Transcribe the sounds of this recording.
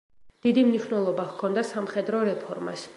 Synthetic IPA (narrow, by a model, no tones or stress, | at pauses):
d̪̥id̪imniʃnɛlˠɔbaʁkʰɔnd̪asamχɛd̪ɾɔɾɛpʰɔɾma̰s